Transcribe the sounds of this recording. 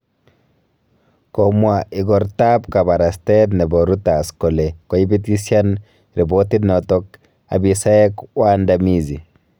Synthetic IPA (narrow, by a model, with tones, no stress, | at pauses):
komwai˨ɡɔ˨ɾta˦pka˨ba˨ɾa˨ste˦tnɛ˨bo˨ɾu˦ta˨sko˨le˨ko˨i˦bi˦ti˦sja˦n | ɾʔi˨bo˦ti˦nɔtɔ˦k | a̰˨bisa˦e˦kwa˦ndami˦zi˨